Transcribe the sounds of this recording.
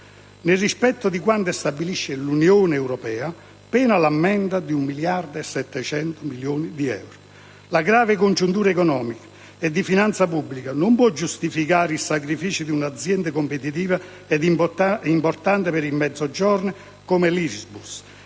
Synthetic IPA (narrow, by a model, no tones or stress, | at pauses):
nɪrːispɛt̪ːʊd̪ikwant̪est̪abːiliʃːɪlunjoːnɛwɾɔpɛːa | pɛːnalamːɛnd̪ad̪iumːiljard̪ɛsːɛt̪ːɛt͡ʃɛnt̪ʊmiljoːnid̪iɛ̰wɾʊ | laɡɾaːvɪkond͡ʒunt̪̬uːɾaɛkɔnɔːmikḁ | ɛd̪ːifinant̪sapubːlikanompwɔd͡ʒust̪ifikaːɾisakɾifiːt͡ʃid̪iunad̪zːjɛnd̪ekompet̪it̪iːva | ɛd̪iimpɔɾt̪ant̪ɪpeɾimːɛd̪zːɔd͡ʒɔɾn | komelisbus